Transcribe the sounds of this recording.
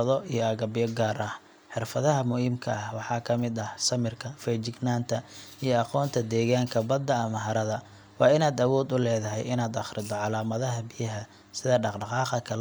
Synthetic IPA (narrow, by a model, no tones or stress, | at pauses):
ðɔʔijɔɐɣɐbɪjɔɡaːɾʔɐh | ħɪrfɐðɐɦɐmʊhiːmkʰɐɐhwɑħɑːkʰɐmɪd̪ɐhsɐmɪrkʰɐfɛjt͡ʃɪɡnaːnt̪ʰɐijɔɑqɔːnt̪ʰɐd̪ɛːɣaːŋkʰɐbɐd̪ːɐɐmɐɦɐɾɐðɐ | wɑːɪnaːd̪ɐwɔːd̪ʊlɛːðɐɦɛ̰jɪnaːd̪ɑχɾɪd̪ɔʕɑlaːmɐðɐɦɐbɪjɐɦɐ | sɪðɐɖɑqɖɑqɑːqɐkʰɐl